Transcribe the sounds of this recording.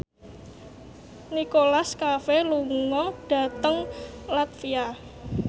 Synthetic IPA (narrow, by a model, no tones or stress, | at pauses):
nikolaskafeluŋɔɖ̥a̤t̪əŋlat̪fia